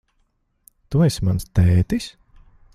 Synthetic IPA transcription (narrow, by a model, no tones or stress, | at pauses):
t̪uɛsʲmanst̪ɛːt̪isʲ